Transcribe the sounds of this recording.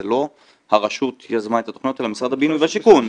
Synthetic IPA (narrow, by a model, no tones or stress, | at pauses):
elo̞ | haʁaʃut̪jazmaet̪at̪oχno̞telamisʁad̪habinujbaʃikun